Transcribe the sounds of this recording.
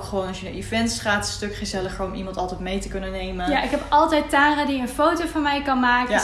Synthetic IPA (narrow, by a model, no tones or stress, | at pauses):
kχəʋoːnɑsjəəivɛntsχaːtstøkχəzɛləχəɹɔmimɑntɑlˠtɛjtmejtəkɵnənːejməjaʔɪkɦɛpɑlˠtɛjttaːradiənfowtowfɔmɛjkɑnmaːkə